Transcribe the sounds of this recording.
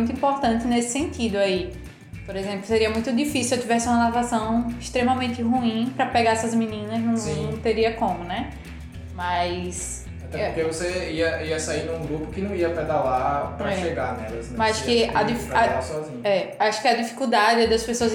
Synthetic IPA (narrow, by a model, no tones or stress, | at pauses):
ũt̪ʊĩpoɾt̪ɐ̃nt̪ɪnesɪ̥sẽnt̪id̪ʊai | poɾezẽmplʊseɾiɐmũj̃t̪ʊd̪ifisiet̪ivɛsɪũɐnat̪asɐ̃w̃iʃt̪ɾemɐmẽnt̪ɪɦuĩpɾɐpɛɡaɾɛsɐzmĩnĩnɐznɐ̃w̃ññt̪eɾiɐkõmʊnɛ | mɐjs | ɐt̪ɛ̃pʊɾkevoseiɐiɐsaiɾd̪ũɡɾupʊkɪnɐ̃w̃iɐpɛd̪alapɾɐɛʃeɡanɛlɐznɛmɐzaʃʊ̥kɪad̪ifkaasɔzĩɲɛaʃʊ̥kɪɐd̪ifi̥kud̪ad͡ʒɪɛd̪ɐspesoɐz